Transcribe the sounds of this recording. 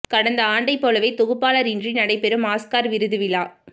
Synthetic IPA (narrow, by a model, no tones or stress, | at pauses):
kɐɽɐnd̪ɐaːɳɖɐɪpːoːlɐʋɐɪt̪ɔɣɯpːaːlɐɾɪndrinɐɽɐɪpːɛɾɯmaːskaːɾʋɪɾɯðɯʋɪlaː